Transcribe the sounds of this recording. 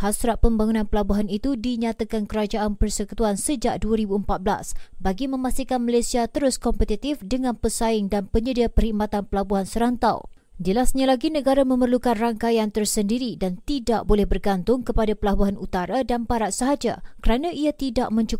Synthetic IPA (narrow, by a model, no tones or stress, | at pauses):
hasɾat̪̚pəmbaŋunãnpəlabuɦanit̪udiɲat̪akankəɾad͡ʒaʔanpərsəkut̪uansəd͡ʒaʔ̚duaɾibuəmpat̪̚bla̰sbaɡimə̃mast̪ikanmalajsiat̪əɾʊskɔmpət̪it̪ifdəŋãnpəsaɪŋdanpəɲədiapərhik̚mat̪anpəlabuɦansəɾant̪a̰w | d͡ʒəlasɲalaɡinəɡaɾamə̃mərlukanraŋkajant̪ərsəndiɾidant̪idaʔ̚bolɛhbərɡant̪ʊŋkəpadapəlabuɦanut̪aɾadanpaɾat̪̚səɦad͡ʒa̰kəɾanãʔiat̪idaʔmə̃ɲt͡ʃuk